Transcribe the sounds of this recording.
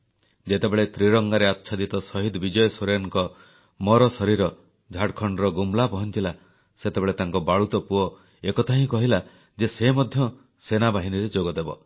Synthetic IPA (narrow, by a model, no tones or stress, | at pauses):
d͡ʒet̪ebeɭet̪ɾiɾɔŋɡaɾeatːʃʰad̪it̪ɔsɔɦid̪ɔbid͡ʒɔjɔsoɾjɔŋŋkɔ | mɔɾɔsɔɾiɾɔ | d͡ʒʱaɽkʰɔɳɖɾɔɡumlapɔɦɔnt͡ʃila | set̪ebeɭet̪aŋkɔbaɭut̪ɔpuɔ | ekɔt̪ʰaɦĩkɔɦila | d͡ʒesemɔd̪ʱjɔ | senabaɦiniɾed͡ʒoɡɔd̪ebɔ̰